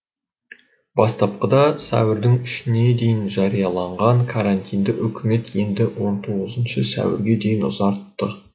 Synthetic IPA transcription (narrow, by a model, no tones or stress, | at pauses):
bɑst̪ɑp̚qəd̪ɑsæ̰wɪɾd̪ɪŋʏʃɪne̞d̪e̞jɪnʒɑɾijɑlˠɑɴʁɑɴkʰaɾant̪ʰijnd̪ɪʔʏkʲɪme̞t̪je̞nd̪ɪwo̞nt̪ʰo̞ʁəzənʃəsæ̰wɪ̰ɾɡʲe̞d̪e̞jɪnʊ̰zɑɾt̪ːə